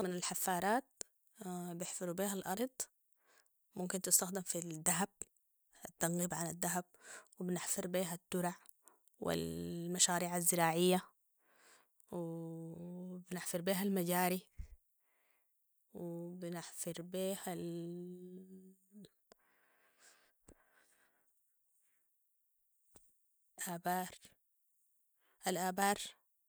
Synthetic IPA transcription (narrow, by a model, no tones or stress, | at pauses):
mɪnalħafːɑːɾˤɑːt̪̚ | bjɪħfɑɾˤubiːɦalʔɑɾˤd̪ˤ | mʊmkɪnt̪ɪst̪axd̪ɪmfid̪ːaɦab̚ | at̪ːɑnɣiːbʕanad̪ːaɦab̚wɪbnɪħfɪɾˤbiːɦat̪ːʊɾaʕ | wɪ̰lmaʃaːɾiːʕazːɪɾaːʕɪjːa | w | bnɪħfɪɾˤbiːɦalmad͡ʒaːɾi | wibɪnɪħfɪɾˤbiːhal | ʔaːbaːɾ | ʔalʔaːbaːɾˤ